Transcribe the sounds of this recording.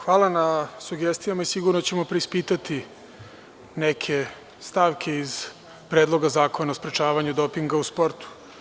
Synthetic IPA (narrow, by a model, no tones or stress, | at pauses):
xʋaːlˠanasuɡest̪ijamaisiɡuɾnot͡ɕemo̞pɾeispiːt̪at̪i | nekʰe̞ | st̪aːʋkʰe̞iz | pɾeːd̪lˠo̞ɡazaːko̞naospɾet͡ʃaːʋaɲud̪o̞piŋɡauspo̞ɾt̪u̥